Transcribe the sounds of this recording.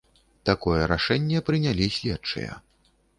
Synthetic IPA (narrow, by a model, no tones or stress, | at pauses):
t̪akɔjɛɾaʂɛnʲːɛpɾɨnʲalʲisʲlʲɛtt͡ʂɨ̰jɐ̰